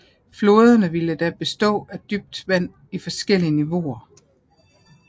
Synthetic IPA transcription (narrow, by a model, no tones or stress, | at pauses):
flo̝ːð̞ˠɐnəʋiləd̥æb̥e̝sd̥ɔ̰̽ːæd̥yb̥̚d̥ʋæn̰ | ifɒ̽sɡ̥el̰iəniʋo̝̰ɐ